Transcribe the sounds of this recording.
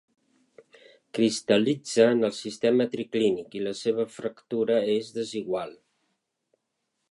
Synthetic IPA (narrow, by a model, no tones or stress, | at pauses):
kɾist̪əlid͡zəːnəlˠsist̪ɛmət̪ɾiklinikiləseβ̞əfɾəkt̪uɾəezðəziɣwalˠ